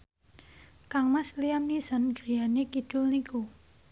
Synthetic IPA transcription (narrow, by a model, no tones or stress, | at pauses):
kaŋmaslijamniza̤nɡɾijanekid̥ʊlniku